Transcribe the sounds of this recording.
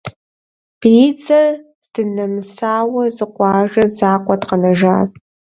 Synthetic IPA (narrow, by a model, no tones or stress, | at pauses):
b̥iːd͡zɐr | zdɨnɐmsaːwɐzɨqʷʼɑːʒɐzaːqʷɔtqɐnɐʒaːr